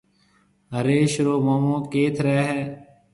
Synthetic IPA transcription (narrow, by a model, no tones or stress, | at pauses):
əɾeːʃɾoːmoːmõːkeːt̪ʰɾɛːɦɛː